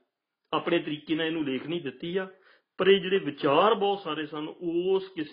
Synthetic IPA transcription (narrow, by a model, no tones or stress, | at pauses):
aːpɳeːt̪əɾiːkeːnãːeːnũːleːkʰnĩːd̪ɪt̪ːiːaː | pəɾeːd͡ʒeːɽeːʋɪt͡ʃaːɾbɔːt̪saːɾeːsənoːskɪs